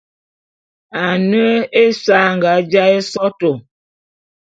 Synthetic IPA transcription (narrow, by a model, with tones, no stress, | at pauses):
a˨nə˦e˦sa˦ŋɡa˨˦d͡ʒa˦e˦sɔ˦to˨